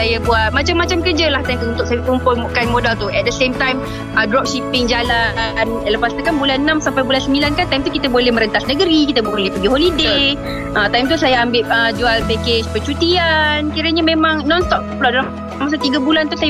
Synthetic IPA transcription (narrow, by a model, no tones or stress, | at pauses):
ajabuaʔmat͡ʃamːat͡ʃamkərd͡ʒalaht̪ajakəunt̪ʊʔ̚sajkəumpɔmukanmodalt̪uʔɛt̪̚dəsemt̪ajm | ədɾɔp̚ʃipɪŋd͡ʒalanləpast̪ukanbulannãmsampajbulansəmilankant̪ajmt̪ukit̪əbolɛhmə̃ɾənt̪asnəɡəɾikit̪əbolɛhpəɡiɦolide | ʔət̪ajmt̪usajaambɪʔ̚əd͡ʒualpɛket͡ʃpət͡ʃut̪iankiɾəɲamẽmãŋnɔ̃nst̪ɔp̚t̪pəlaʔdala | mas̬at̪iɡabulant̪usaj